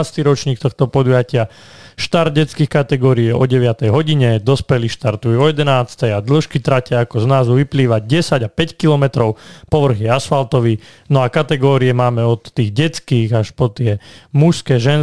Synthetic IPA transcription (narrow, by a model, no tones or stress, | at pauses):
st̪iɾɔt͡ʃɲiːk̚t̪ɔxt̪ɔpɔd̪ujacɪa | ʃt̪ard̪̚ɟɛt͡skiːxkat̪ɛɡɔːɾiɛɔɟɛʋɪat̪ɛjɦɔɟiɲɛd̪ɔspɛliʃt̪aɾt̪ujuɔjɛd̪ɛnaːt͡st̪ɛjad̪l̩ʃkit̪ɾacɪaakɔznaːzuʋipliːʋaɟɛsaɟapɛckilɔmɛt̪ɾɔʊpɔʋr̩ɣɛasfalt̪ɔʋi | nɔakat̪ɛɡɔːɾiɛmaːmɛɔt̪ːiːɣɟɛt͡skiːɣaʃpɔt̪ɪɛmuskɛʒɛn